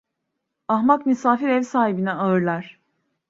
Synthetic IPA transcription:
ahmakmysaːfiɾɛvsaːhibinɛaɯɾlˠaɾ̥

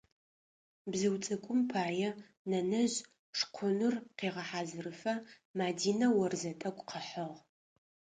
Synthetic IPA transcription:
bzɨwt͡sʼɐkʷʼʊmpʰaːjɛ | nɐnɐʑ | ʂqʷʰʊnɨrqeːʁɐħaːzɨrɨfɐ | maːdiːnɐwɐrzɐtʼɐkʷʼqʰəħəʁ

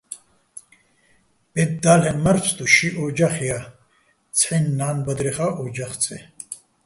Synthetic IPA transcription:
b̥ɛd̪ːaːlɛnmaɾt͡sʰt̪uʃiʔɔd͡ʒaχja | t͡sʰħinːaːnbɐd̪ɾɛχaʔɔd͡ʒaχt͡sʰʼɛ

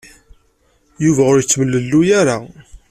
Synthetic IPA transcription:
juvæʊɾjət͡sːməlːəlːujaɾa

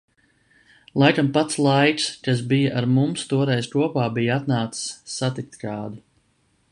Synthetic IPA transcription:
lˠajkampat̪slˠajkskas̬bijaʔaɾmumst̪uɔɾɛjzkuɔpaːbijaat̪naːt̪ssːat̪ik̚t̪kaːd̪u

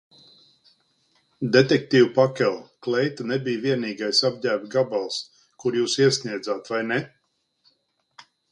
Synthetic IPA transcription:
d̪et̪ek̚t̪iːwpakʲɛlˠklɛjt̪anɛbijviɛniːɡajsab̚dʲæːbʲɡabalˠs | kuɾjuːsiɛsniɛd̪zaːt̪vajnɛ

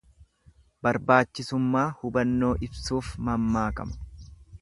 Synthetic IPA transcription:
bɐɾbaːt͡ʃːɪsʊmːaːhʊbɐnːo̞ːʔɪbsuːfmɐmːaːkɐ̰mɐ̥

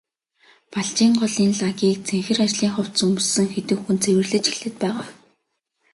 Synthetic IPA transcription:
paɮt͡ɕiːŋɢɔɮiːnɮaɣʲiːk̚t͡sʰeŋxɘ̆rat͡ɕɮiːŋχɔw̥tt͡sɵmsɘ̆ŋxet̪ɘ̆kxunt͡sʰewɘ̆rɮɘ̆t͡ɕi̥ɮɘ̆t̪̚pæːʁaː

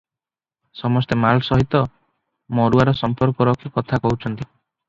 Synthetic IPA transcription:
sɔmɔst̪emalsɔɦit̪ɔ | mɔɾuaɾɔsɔmpɔɾkɔɾɔkʰikɔt̪ʰakɔɦut͡ʃʰɔnt̪i

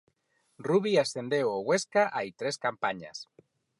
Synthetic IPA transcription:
ruβiasθend̪ewoɣweskaʔait̪ɾeskampaɲa̰s

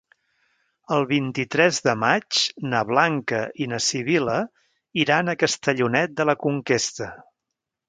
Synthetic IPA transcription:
əlˠβint̪it̪ɾɛzðəmat͡ʃnəβlaŋkəʔinəsiβ̞ilə | iɾanəkəst̪əʎunɛt̪̚d̪ələkuŋkest̪ə

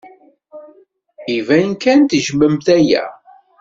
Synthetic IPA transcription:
ivæjnkænt̪ʒməmθæjæ̰

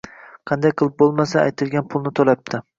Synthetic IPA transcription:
qʰɑnd̪ajqʰɨlˠɪp̚bolˠmasaajt̪ʰɪlˠɡʲanpʰʊlˠnɪt̪ʰolap̚t̪ʰɪ

